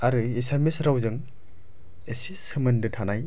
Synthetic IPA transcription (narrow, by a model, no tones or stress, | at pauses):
aɾɯisemisɾawzɯŋ | esisɯmɯndɯtʰanaj